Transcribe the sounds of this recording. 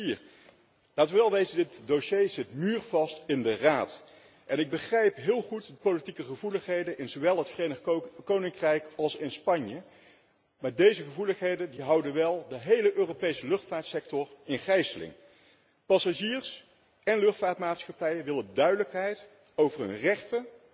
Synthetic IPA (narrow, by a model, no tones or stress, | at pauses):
ir | laːtʋəʋɛlˠʋejzədɪtdoʃejzɪtmyːɹv̥ɑstɪndəraːt | ʔɛnɪɡ̚bəχrɛjpɦɪːlˠχutdəpowlitikəχəvuləχɦejdənʔɪnzoʋɛlˠɦətfrejnkownɪŋkrɛjkɑlˠsɪnspɑɲjə | maːɹdejzəχəvuləχɦejdəndiɦɑwdənʋɛlˠdəɦejləʔøːrowpejsəlɵχtfaːɹtsɛk̚tɔrɪnχɛjsəlɪ̰ŋ | pɑsaʒiːrs | ɛnlɵχtfaːtmaːtsχɑpɛjəʋɪləndœɥdələkɦɛjt | owvərɦɵ̰nrɛχtə